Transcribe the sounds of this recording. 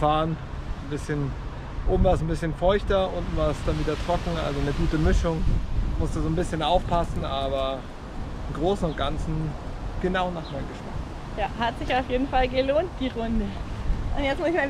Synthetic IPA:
faːən | n̩bɪsçən | ʔoːbm̩vaːsn̩bɪsçənfɔʏçtɐʔʊntn̩vaːɐsd̥anviːdɐtʁ̥ɔkŋ̩ʔa̰lzonəɡuːtəmɪʃʊŋmʊstəzoːnbɪsçənʔaʊfpʰasn̩ʔaːbɐ | ɪmɡʁoːsn̩ʊnt̚ɡ̥ansn̩ | ɡ̥ənaʊnaːχmaɪnɡəʃma̰k | jaːɦatz̥ɪçaʊfjeːdn̩falɡəloːnt̚d̥iːʁʊndəʔʊntjɛt͡stmʊsɪçma

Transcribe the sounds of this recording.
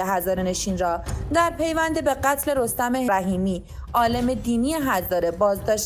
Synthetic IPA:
eɦæzɒːɾene̞ʃiːnɾɒːd̪æɾpʰe̞jvænd̪ebe̞ɢæt̪ʰle̞ɾo̞st̪æmeɦɾæɦiːmiː | ʔɒːle̞me̞d̪iːnijeɦæzɒːɾe̞bɒːzd̪ɒːʃ

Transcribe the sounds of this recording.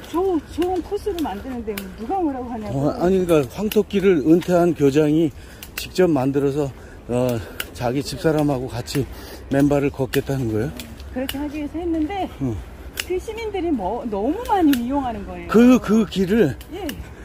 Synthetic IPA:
t͡ɕot͡ɕoɯnkʰosʰɯɾɯɭmandɯnɯnde̞monuɡamɯɾaɡoɦaɲaʌaɲink͈aɸwaŋtʰok̚k͈iɾɯɾɯntʰeɦankjod͡ʑaŋi | t͡ɕik̚t͡ɕ͈ʌp̚mandɯɾʌs̬ʰʌ | ʌt͡ɕaɡit͡ɕip̚s͈aɾamɦaɡokat͡ɕʰi | me̞mbaɾɯɭkʌk͈e̞t̚t͈anɯnɡʌjo | kɯɾʌkʰe̞haɡiɦesʰʌɦe̞nːɯnde̞ʌ | kɯɕʰimindɯɾimʌnʌmumaɲiijoŋɦanɯnɡʌe̞jokɯkɯkiɾɯɭje̞

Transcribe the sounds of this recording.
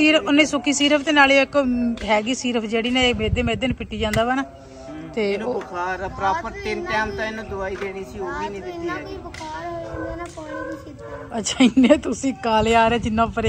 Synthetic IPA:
iːɾʊnːẽːsʊkʰːiːsiːɾəpʰt̪eːnaːleːɪkɦɛːɡiːsiːɾəpʰd͡ʒeːɽiːnãːmeːd̪eːmeːd̪eːnpɪʈːiːd͡ʒãːnd̪aːʋaːnaː | t̪eːokʰaːɾapɾaːpəɾt̪ɪnʈɛːmt̪ãɪnõːd̪ʊaːiːd̪eːɽiːəsiːoːbiːnĩːd̪ɪt̪ːiːɛːi | ət͡ʃʰaːɪnẽːt̪ʊsĩːkaːleːaːɾɛːd͡ʒɪnːãːpəɾe

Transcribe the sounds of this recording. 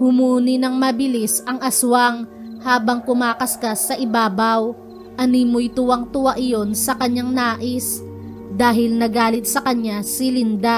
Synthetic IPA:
hʊmuːnɪnɐŋmɐbɪlisʔɐŋʔɐswaŋ | haːbɐŋkʊmaːkɐskasɐʔɪbaːbɐw | ʔɐniːmʊjt̪ʊwɐŋt̪ʊwaʔɪjo̞nsɐkɐɲaŋnaːʔɪs | d̪aːɦɪlnɐɡaːlɪt̪̚sɐkɐɲasɪlɪnd̪a

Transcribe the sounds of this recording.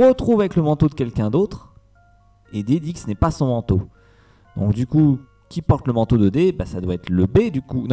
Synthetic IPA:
ʁət̪χuvavɛkləmɑ̃t̪od̪əkʲɛlkʲɛ̃d̪ot̪χ | ed̪ed̪ikə̥sənɛpasɔ̃mɑ̃t̪o | d̪̥ɔ̃kd̪yku | kʲipɔʁt̪ləmɑ̃t̪od̪əd̪ebasad̪waɛt̪χləbed̪ykuñ

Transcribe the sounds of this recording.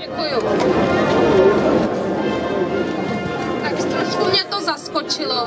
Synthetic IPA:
ɛkuju | t̪akt̪ɾɔʃkumɲɛt̪ɔzaskɔt͡ʃilɔ

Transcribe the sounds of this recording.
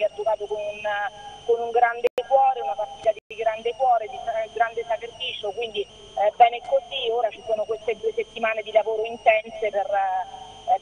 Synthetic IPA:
kead͡ʒːokaːt̪okonunkonuŋɡɾand̪ekwɔːɾeunapart̪iːt̪ad̪ikiɡɾand̪ekwɔːɾed͡ʒist̪ːamaɡɾand̪esakerfiːt͡ʃokwind̪i | bɛːnɛkːozioːɾat͡ʃisoːnokwest̪ed̪ueset̪ːimaːned̪ilavoːɾoint̪ɛnseper

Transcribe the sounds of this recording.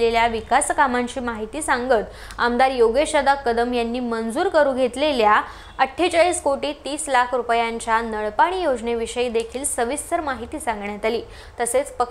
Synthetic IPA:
leljaʋikaskamaɲt͡ɕiːmaɦit̪iːsaŋɡət̪ | amd̪aɾjoɡeɕəd̪akəd̪əmjanːiːmənd͡zuːɾkəɾũːɡʱet̪lelja | əʈʰːet͡ɕaɭiːskoʈiːt̪iːslakʰɾupjaɲt͡ɕjanəɭpaɽ̃iːjod͡ʑneʋiɕəiːd̪ekʰiːlsəʋist̪əɾmaɦit̪iːsãŋɡɳjat̪aliː | t̪əset͡spə

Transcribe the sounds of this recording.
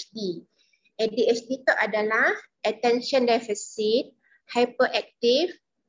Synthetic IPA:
di | ɛdiɛsdit̪ɔʔ̚adalah | ʔətɛ̃nʃə̃ndɛfisit̪̚ | hajpəʔɛk̚t̪if

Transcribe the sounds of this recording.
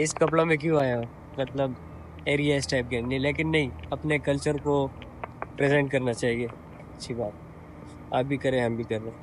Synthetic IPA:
ɪskɐplamẽk̬jũaːjã | mɐt̪ləb | eːɾijaɪsʈaɪp̚ɡẽːmnɐɦĩleːk̬ɪnːɐɦĩɐpnekɐlt͡ʃəɾko | pɾezɛ̃ɳʈ̚kɐɾnat͡ʃaːɦie | ɐtːʃʰibaːt̪̚ | a̰ːp̚bʱikɐɾẽɦɐmbʱikɐɾːẽ

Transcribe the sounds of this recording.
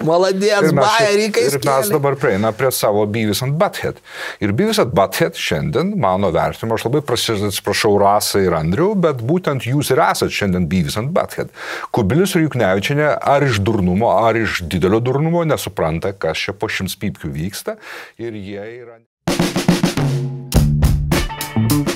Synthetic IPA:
mɐlˠɐd̪ʲiɛɪmʲɛɑsːjɛɾʲiːkɐmmʲæsd̪ɐbɐrpʲɾʲɪɛɪnɐpʲɾʲiɛsɑːʋoːbʲiːʋʲɪsɐnt̪̚bɐt̪xʲɛ̰t̪ | ɪɾbʲiːʋʲɪsɐnt̪bɑt̪xʲɛt̪ʃʲɛnʲd̪ʲiɛnmɑːnoːʋʲɛ̰ɾʲt̪ʲɪnʲɪmoːɐʃlˠɐbɐɪpɾɐsʲɪɐt̪sʲɪ̥pɾɐʃɐʊɾɑːsɐɪɾɐnʲd̪ʲɾʲɛʊbʲɛt̪buːt̪ʲɛnt̪juːsɪɾæːsɐt̪ʃʲɛnd̪ʲiɛnbʲiːʋʲɪsɐnt̪̚bɐ̰t̪ʲxʲɛ̰t̪kʊbʲɪlʲʊsɪɾjʊːknʲæːʋʲɪt͡ʃʲɛnʲɛʔɐɾɪʃd̪ʊɾnʊmoːɐɾɪʃd̪ʲɪd̪ʲɛlʲoːd̪ʊɾnʊmoːnʲɛsʊpɾɐnt̪ɐkɐst͡ʃʲɛpoːʃʲɪmsʲpʲiːpʲkʲuːʋʲiːkst̪ɐɪɾjiɛiːɾɐnʲ

